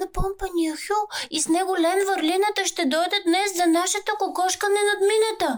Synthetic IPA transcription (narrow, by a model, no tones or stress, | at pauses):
ɐpɔmpɐniɐxʲuisnɛɡolɛmvəɾlinɐt̪əʃt̪ɛd̪ɔjd̪əd̪nɛszɐnaʃɛt̪okokɔʃkənɛnɐd̪minɐt̪ə